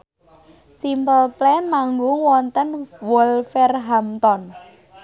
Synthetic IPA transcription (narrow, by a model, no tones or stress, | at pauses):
simpəlplɛnmaŋɡʊŋwɔnt̪ənwɔlfɛrɦamt̪ɔn